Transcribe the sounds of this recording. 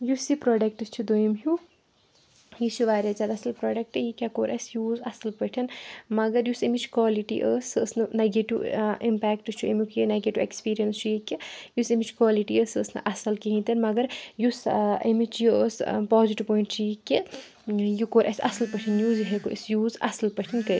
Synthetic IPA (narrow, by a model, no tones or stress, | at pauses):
jusipɾɔːɖɐk̚ʈɨst͡ʃʰud̪ojimɦu | jisiʋaːɾʲɐzʲaːd̪aɐsɐlpɾɔːɖɐk̚ʈɨjikʲakoːɾʔɐ̰sjuːzɐsɐlpəʈʰɐnmɐɡɐɾjusemʲit͡ʃʰkʋaːliʈḭʔəːsɨəsnɨnaɡeʈiʋḭmpɛːkʈɨst͡ʃʰuemikʰjinaɡeʈiʋḛkspiːɾijɐnst͡ʃʰujikʲːijusemit͡ʃʰkwaːliʈiəːsɨəsnɨ̰ʔɐsɐlkiɦĩnt̪ɐnmɐɡɐɾjusḛmit͡ʃʰjiəːspɔːziʈipɔːiɳʈt͡ʃʰijikʲːi | jukoːɾʔɐ̰sʲɐ̰sɐlpɐʈʰinjuzɦekoʔḭsjuːzɐsɐlpɐʈʰinkɐ